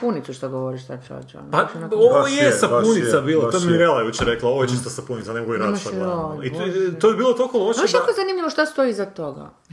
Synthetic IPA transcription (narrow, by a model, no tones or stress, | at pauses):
punit̪suʃt̪oɡoʋoɾiʃt̪at͡ʃa̰t͡ʃa̰npaoʋojessapunisabiːlat̪oeiɾelajeit͡ɕɾeklˠaoʋjet͡ʃist̪asapunit̪saneoɡojeɾadʃalˠaoit̪ojebiːlˠot̪olˠkolˠoʃiʃjakoezanimʎiʋoʃt̪ast̪oizat̪oɡa̰